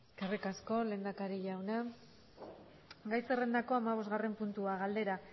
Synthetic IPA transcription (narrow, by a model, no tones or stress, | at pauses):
eskerikasko̞le̞ːnd̪akaɾiʎawna | ɡajsere̞nd̪ako̞amaβ̞o̞zɣare̞mpunt̪uaɣald̪e̞ɾa